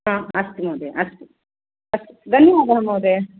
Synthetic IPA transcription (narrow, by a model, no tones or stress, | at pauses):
ɦãːɐst̪imɐːd̪eʔɐst̪u | ɐsd̪ʱɐnjɐʋaːd̪ɐɐmɐːd̪eː